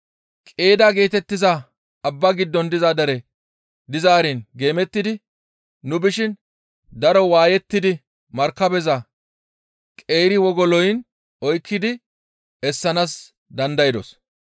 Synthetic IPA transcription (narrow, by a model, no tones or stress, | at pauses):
kʼe̞ːd̪aɡe̞ːt̪ɛt̪ːɪzɐ | ɐbːɐɡɪd̪ːɔnd̪ɪzad̪ɐɾɛ | d̪ɪzaːɾɪnɡe̞ːmɛt̪ːɪd̪ɪ | nʊbɪʃɪn | d̪ɐɾɔwaːjɛt̪ːɪd̪ɪ | mɐɾkːɐbɛzɐ | kʼe̞ːɾɪwɔɡɔlɔjn | ɔjkʰːɪd̪ɪ | ɛsːɐnas | d̪ɐnd̪ɐjɪd̪ɔs